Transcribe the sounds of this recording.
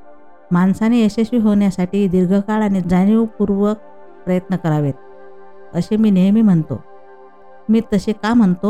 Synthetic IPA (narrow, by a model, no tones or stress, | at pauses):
mansaneəɕeɕiːɦoɳjasaʈiːd̪iɾɡʱəkaɭaɽ̃id͡zaniʋpuɾʋək̚ | pɾəjət̪nəkəɾaʋet̪̚ | əɕemiːnejmiːm̤əɳt̪o̰ | miːt̪əɕekam̤əɳt̪o